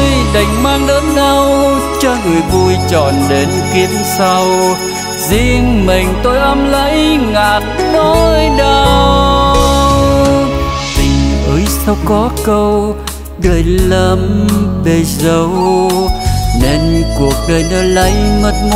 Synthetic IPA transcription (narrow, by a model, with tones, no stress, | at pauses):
jɗa˨˩jŋ̟maː˧ŋɗəː˨˦nna˧wt͡ɕɔ˧ŋɨ˨˩əjvu˧jt͡ɕɔ˨˩nle˨˦nkwi˨˦ənsa˧w | zi˧əŋmï˨˩ŋ̟t̪o˧jʔə˧mlə̰˧˥jŋaː˨˩t̚nɔ˨˦jɗə˧ | t̪ï˨˩ŋʔəː˨˦jsa˧wkɔ˨˦kə˧w | ɗəː˨˩jlə˧mɓe˧˩jzə˧˩w | ne˧nku˨˩ək̚ɗəː˨˩jnə˨˧˦jlə̰˧˥jmə˨˩t̚n